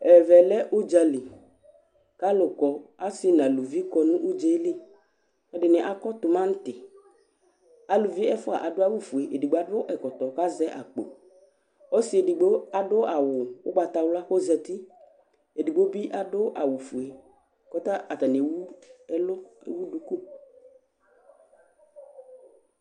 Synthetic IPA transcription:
ɛ˨vɛ˨lɛ˦ʔʊ˦d͡ʒa˨li˨ | ka˦lʊ˨kɔ˨a˦sɪ˦nã˨lu˨vi˦kɔ˨˦nũ˦ʔu˦d͡ʒe˦lɪ˦ | ɛ˦dɪ˨nɪ˨ʔa˨kɔ˦t̪ʊ˨mã˦n̩˦t̪ɪ˨ | a˨lu˨vi˦ɛ˦fʊ˦a̰˨ʔa˨dʊ˦a˦wu˦fu˨e˨ʔe˨di˨ɡ͡bo˦a˦dʊ˦ʔɛ˨kɔ˨t̪ɔ˨ka˦zɛ˦ʔa̰˨k͡po̰˨ | o˦sɪ˨e˨di˨ɡ͡bo˦a˨ɖʊ˦ʔa˨wʊ˨wʊ̰˦ɡ͡ba˨t̪a˨wla˦xo˦zɛ˨t̪i˦ | e˨di˨ɡ͡bo˦bi˦ʔa˨ɖʊ˦ʔa˨wʊ˨fu˨e˨ | kɔ˦t̪a˦ʔa˨t̪a˨ne˨wu˦ɛ˦lʊ˦e˨˦wu˦du˦ku˦

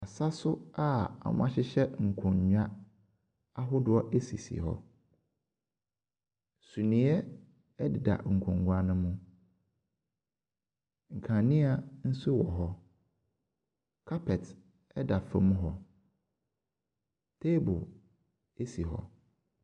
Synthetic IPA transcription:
a˨sa˦sʊ˦a˦a̰˨mʊ̰̃˦ã˦ɕɪ˦ɕɛ˦ŋ̩˨kʰɔ̃˨ɲ˨ɲᶣa˦ | a˦ɦʊ˦dʊ˦ɔ˦ʔe˦sḭ˨sḭ˨hɔ̰˦ | su˨nĩ˨˦ɛ˦ | ɛ˦dɪ˨da̰˨ŋ̩˨kʰɔ̃˨ŋ˨ɡʷa˨nʊ̃˦mũ˦ | ŋ̩˨kʰã˨nɪ̃˦a˨n̩˦sʊ˦wɔ˨ɦɔ˦ | kʰa˦pʰɛ˨t | ɛ˦da˨fã̰˦m˦ɦɔ˦ | tʰe˦bʊ˨l | e˦si˨ɦɔ̰˨

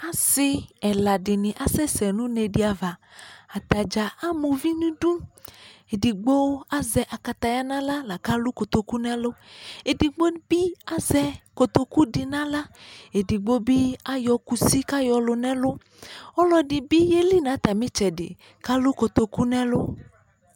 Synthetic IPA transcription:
a˨sɪ˦ɛ˨la˨ɖɪ˨nɪ̃˨ʔa˨sɛ˦sɛ˨nũ˦ne˨dɪ˦a˨va˨a˨t̪a˨d͡ʒa˨a˦mõ˨vi˦nũ˦ɖũ˦ | e˨di˨ɡ͡bo˦a˦zɛ˨ʔa˨ka˨t̪a˨ja˦nã˦la˦la˨ka˦lu˦ko˨t̪o˨ku˦nɛ̃˦lo˦e˨di˨ɡ͡bo˦bi˦a˦zɛ˦ko˨t̪o˨ku˦ɖi˨nã˦la˦e˨di˨ɡ͡bo˦bi˦a˦jɔ˨ku˦si˦ka˦jɔ˨lo˨nɛ̃˦lo˦ | ɔ˦lɔ˦ɖɪ˨bi˦je˦li˦nã˨˦t̪a˨mĩ˦t͡ʃɛ˨ɖɪ̰˨ | ka˦lo˦ko˨t̪o˨ku˦nɛ̃˦lo˦

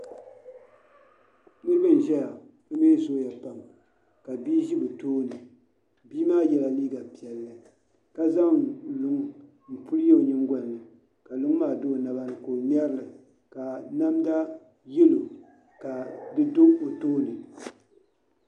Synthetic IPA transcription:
nɨ˦ɾɨ˦bɨ˦n̩˨ʒɛ˦ja˨ | nɨ˦me˦zo˦ja˨pa˨m˨ | ka˨biː˦ʒi˦bɨ˨toː˦nɨ˨ | biː˦maː˦jɛ˨la˨liː˦ɡa˨pi˨ɛ˨lːɨ˨ | ka˦za˦˨lʊ˨ŋ˦ | m̩˨pu˦lje˦˨ɲɪ˦ŋɡɔ˨nː˨ɨ˨ | ka˨lu˦ŋ˦maː˦˨do˦˨na˨ba˦nɨ˨ko˨m˦ɛ˦ɾɨ˦lɨ˨ | ka˨na˦mda˦ | jɛ˦lo˨ | ka˨dɨ˦do˦o˨toː˦nɨ˨

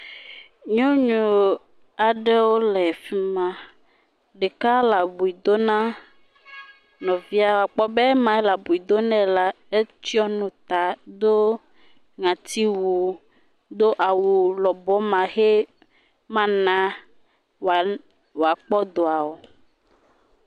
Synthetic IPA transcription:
ɲɔ̃˦ɲũ˨ | a˨ɖɛ˦wo˦lɛ˨fi˦mã˦ | ɖe˨ka˦la˨bu˨i˨d̪o˦nã˦ | nɔ̃˨vi˦a˨wo˨a˨k͡pɔ˦be˦mã˨e˦la˨bu˨i˨d̪o˦nɛ̃˦la˦ | e˦t͡ʃi˦ɔ˦nũ˦t̪a˨d̪o˦ | ŋã˨t̪i˦wu˨ | d̪o˦ʔa˨wu˨lɔ˨bɔ˦mã˨xe˦ | mã˦nã˦ | w | wo˨a˨k͡pɔ˦d̪o˨a˨wo˨

